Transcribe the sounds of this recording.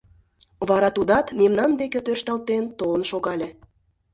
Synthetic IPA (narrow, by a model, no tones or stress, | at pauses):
βɑɾɑt̪ud̪ɑt̪memnɑnd̪eket̪ørʃt̪ɑlt̪ent̪olə̆nʃoɣɑlʲe